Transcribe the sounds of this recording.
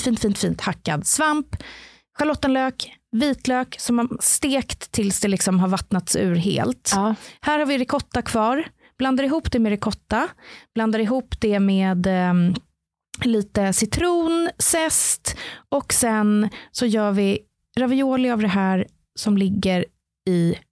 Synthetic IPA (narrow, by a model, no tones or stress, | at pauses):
fiːnt̪fiːnt̪fiːnt̪hakːad̪svamp | ɧalɔt̪ːənløːkviːt̪løːksɔmast̪eːkt̪ʰːɪlsd̪ɛlɪksɔmɦaɾvat̪nat̪sʉ̟̰ːɾɦḛːlt̪hæːɾhaɾvɪɾɛkʰɔt̪ːakʰv̥ɑːɾ | b̥land̪aɾɪɦuːpd̪ɛmɛɾɪkʰɔt̪ːab̥land̪aɾɪɦuːpd̪ɛmeːd̪ | liːt̪əsɪt̪ʰɾuːnsɛst̪ɔksɛnsɔjœːɾvɪ | ɾavɪoːlɪavd̪ɛɦæːɾ | sɔmlɪɡːəɾ | ɪ